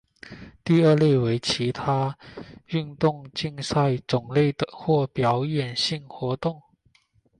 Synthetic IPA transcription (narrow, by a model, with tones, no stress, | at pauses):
t̪i˥˧ə˞˥˧le˥˩we˧˥ɪt͡ɕʰi˧˥t̪ʰa˥ | y˥˧nt̪ʊ˥˧ŋt͡ɕi˥˧ŋsa˥˧ɪt͡sʊ˨˩ŋle˥˩ɪd̪ə˩xwɔ˥˩pjɑ˧˥ʊɥɛ˨˩nɕi˥˩ŋxwɔ˧˥t̪ʊ˥˩ŋ